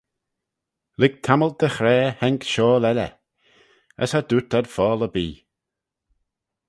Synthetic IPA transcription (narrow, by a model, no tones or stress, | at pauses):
lɪɡ̚t̪ʰaməl̚d̪̥əxɾɛːhɛŋkʃɔːlɛlə̰ | ə̰shad̪ut̪ad̥fɔːləbiː